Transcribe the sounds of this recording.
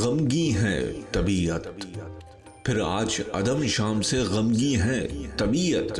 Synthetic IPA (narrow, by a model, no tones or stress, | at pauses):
ɣɐmɡiɦɛ̰̃t̪ɐbiːət̪̚ | pʰɪɾa̰ːd͡ʒɐ̰d̪əmʃaːmseɣɐmɡiɦɛ̃t̪ɐbiːət̪